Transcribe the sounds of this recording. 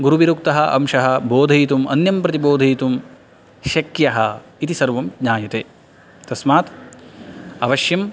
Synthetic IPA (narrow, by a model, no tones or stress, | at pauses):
ɡuɾuʋiɾuk̚t̪ɐɦɐʔɐ̰mʃɐɦɐboːd̪ʱɐjt̪umʔɐnjɐmpɾɐt̪iboːd̪ʱɐjt̪um | ʃɐkjɐɦɐit̪isɐɾʋɐmɡɲaːjɐt̪eː | t̪ɐsmaːt̪ | ɐʋɐʃjɐm